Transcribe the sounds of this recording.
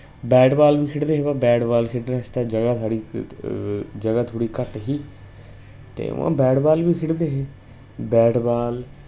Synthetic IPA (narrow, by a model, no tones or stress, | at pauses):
bɛːɖbaːlbiːkʰɪɽd̪eːɦeːbabɛːɖbaːlkʰɪʈnãːɪst̪aːd͡ʒəɡaːt̪ʰaːɽiː | d͡ʒəɡaːt̪ʰoːɽiːkəʈɦiː | t̪ḛːã̰ːbɛːɖbaːlʋiːkʰɪɽd̪eːɦeː | bɛːɖbaːl